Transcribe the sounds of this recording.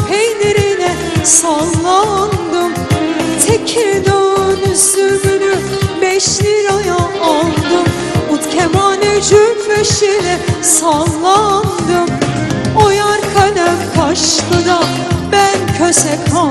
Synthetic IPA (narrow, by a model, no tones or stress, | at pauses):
pʰejneɾinɛ | salˠːand̪ɯmt̪ʰecʰiɾd̪ønysyɡyny | bɛʃliɾajaːlˠd̪ɯm | ut̪cʰɛmaːnɛd͡ʒøveʃilɛsalˠːand̪ɯmojaɾkʰanæmbʰaʃlˠɯd̪a | bæncʰøsɛkʰa